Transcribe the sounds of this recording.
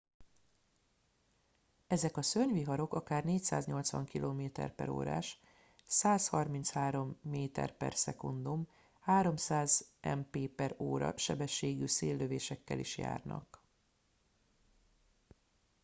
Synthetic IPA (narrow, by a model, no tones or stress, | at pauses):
ɛzɛkɒsøɲviɦɒɾo̞kɒkaːrneːcsaːzɲo̞lt̪sʋɒ̰ŋkilʔoːmeːt̪ɛ̰rpɛɾo̰ːɾa̰ːʃ | saːshɒrmint̪shaːɾo̞mːeːt̪ɛ̰rpɛ̰rsɛkund̪um | haːɾo̞msaːzʔɛmpeːpɛɾoːɾɒ̰ʃɛbɛʃːeːɡyːseːlːøveːʃɛkːɛliʃja̰ːrnɒ̰k